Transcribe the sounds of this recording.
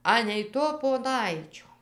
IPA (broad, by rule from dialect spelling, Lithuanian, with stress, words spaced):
ˈɑːnʲɛɪ toː poːˈnɐɪt͡ʃʲoː